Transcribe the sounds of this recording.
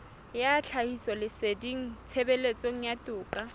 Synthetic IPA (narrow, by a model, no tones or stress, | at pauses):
jat͡ɬʰahisɔlɪsediŋ̩t͡sʰebelet͡sʼoŋ̩jatʼʊːkʼa